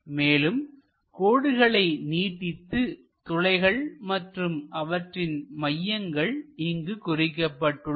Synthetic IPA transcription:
meːlɯm | koːɽɯɣɐɭɐɪniːʈːɪt̪ːɯ | t̪ʊlɐɪɣɐɭmɐʈrɯmʔɐʋɐʈrɪnmɐjːɐŋɡɐɭɪŋɡɯkʊrɪkːɐpːɐʈːɯ

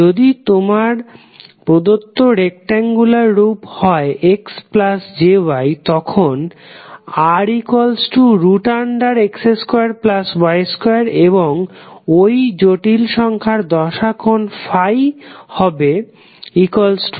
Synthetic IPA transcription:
od̪it̪omaɾ | pɾod̪ot̪ːoɾek̚ʈaŋɡulaɾːuphɔeʔeksplasd͡ʑewajt̪ɔkʰon | aɾikolsʈuɾuʈaɳɖaɾekseskoaɾplasbɔjeskojaɾeboŋojd͡ʑoʈilʃɔŋkʰaɾd̪ɔʃakʰonfajhɔbe | ikolsʈ

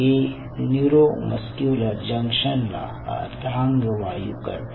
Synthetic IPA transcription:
e | njuɾoməskjoːləɾd͡ʒɐŋkʃənla̰ | d̪ʱaŋɡəʋaːjṵkɐ̰ɾ

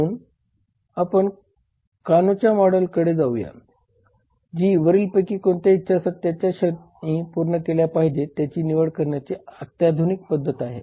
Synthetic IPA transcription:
uːn | apəɳ | kanot͡ɕjamɔɽəlkəɽed͡zauja̰ | d͡ʑiːʋəɾiːlpəkiːkoɳt̪jait̪ːɕasat̪jat͡ɕjaɕət̪ | nĩːpuɾɳəkeljapaɦid͡ʑet̪jat͡ɕiːniʋəɽkəɾɳjat͡seət̪jad̪ʱunik̚pəd̪ʱːət̪aɦḛ

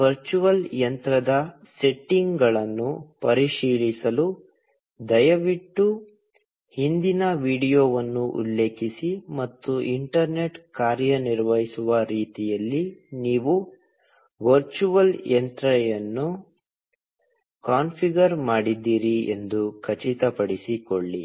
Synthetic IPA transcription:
ʋɐɾt͡ʃuʋɐljɐnt̪ɾɐd̪ɐ | se̞ʈːiŋɡɡɐɭɐnːupɐɾiʂiːɭisɐlu | d̪ɐjɐʋiʈːu | hind̪inɐʋiːɽijoːʋɐnːuʔṵlːe̞ːkisimɐt̪ːuʔiɳʈɐɾne̞ʈkaːɾjɐniɾʋɐɦisuʋɐɾiːt̪ijɐlːiniːʋu | ʋɐɾt͡ʃuʋɐljɐnt̪ɾɐjɐnːu | kaːnpʰiɡɐɾmaːɽid̪ːiːɾiḛnd̪ukʰɐt͡ʃit̪ɐpɐɽisikoɭːi

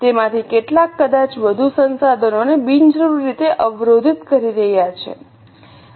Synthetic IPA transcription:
t̪emãt̪ʰikeʈlakːəd̪at͡ʃʋəd̪ʱusənsad̪ʱənonebind͡ʒɾəʋɾit̪eʔəʋɾod̪ʱit̪kəɾiɾəɦjat͡ʃʰḛ

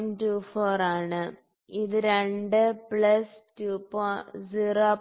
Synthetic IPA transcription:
ntuːfoːraːɳɨ | iðɨɾeɳɖɨpɭɐstuːpoːziroː

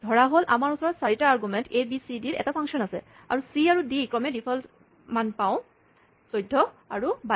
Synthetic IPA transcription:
dʱɔɹaɦolʔamaɹusɔɹɔtsaɹitaaɹɡumɛntebisidiɹʔɛ̰tapʰaŋksiɔnasɛ̰ | a̰ɹusiaɹudikɹɔmɛdipʰɔl | manpaʊ̃ | sojdʱːɔaɹuba

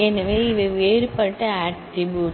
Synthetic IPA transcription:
ɛnɐʋeːɪʋɐʋeːɾɯpɐʈːɐaːʈʈɾɪbjuː

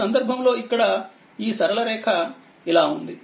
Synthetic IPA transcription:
ɐnd̪ɐɾbʱɐmlo̞ːikːɐɽɐ | iːsɐɾɐlɐɾɛːkʰɐ | ilaːund̪i

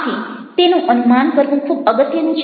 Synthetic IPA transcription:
t̪ʰit̪enũʔənumankəɾʋũkʰubəɡət̪jənũt͡ʃʰ

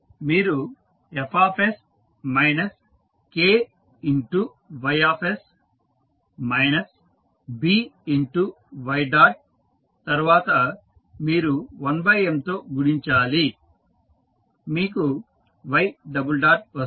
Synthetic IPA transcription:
miːɾu | epʰaːpʰes | mɐjnɐs | keː | iɳʈu | ʋɐjaːpʰes | mɐjnɐs | biːiɳʈu | ʋɐjɖaːʈ̚ | t̪ɐɾuʋaːt̪ɐ | miːɾuʋɐnbɐjemt̪o̞ːɡuɽiɲt͡ʃaːli | miːku | ʋɐjɖɐbulɖaːʈ̚ʋɐ

